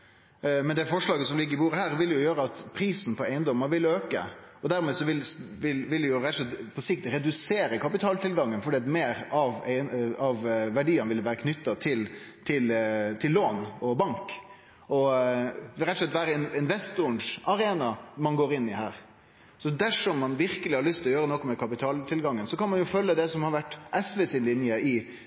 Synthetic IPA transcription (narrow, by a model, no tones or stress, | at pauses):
mɛnd̪ɛfɔʂɭɑːɡəsɔmlɪɡːəɾɪbuːɾəhæːɾʋɪljʊjøːɾəɑt̪pʰɾiːsn̩pʰɔæɪənd̪ɔməɾʋɪløːkə̰ | ɔd̪æɾmeːsɔʋɪlʋɪlʋɪlɛjʊɾɛt̪ːɔʂlɛt̪pʰɔsɪk̚t̪ɾɛd̪ʉseːɾəkʰɑpɪt̪ʰɑːlt̪ʰɪlɡɑŋːənfɔɖiːɑt̪meːɾɑʋæɪɑʋʋæɖiːɑnʋɪlːəʋæːɾəkʰnʏt̪ːɑt̪ʰɪl | t̪ʰɪlt̪ʰɪlːoːnɔbɑŋk | ʔɔ | ɾɛt̪ɔslɛt̪ːʋæːɾəɪnɪnʋɛst̪ʊʊɳʂɑɾeːnɑmɑnɡoːɾɪnːɪɦæːɾ | sɔd̪æʂɔmːɑnʋɪɾkəlɪhɑɾɭʏst̪lɔjøːɾənɔkːɔmɛkʰɑpɪt̪ʰɑːlt̪ʰɪlɡɑŋːənsɔkɑnmɑnjʊfœlːəd̪ɛsɔmhɑɾʋæʈːʔɛsʋɛsɪnlɪnjəɪ